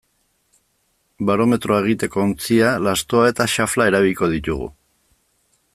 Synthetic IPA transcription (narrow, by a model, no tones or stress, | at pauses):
baɾo̞me̞t̪ɾʔo̞e̞ɣ̞it̪e̞ko̞ːnt͡sialast̪o̞ae̞t̪aʃaflae̞ɾaβ̞ilko̞ð̞it̪uɣ̞ṵ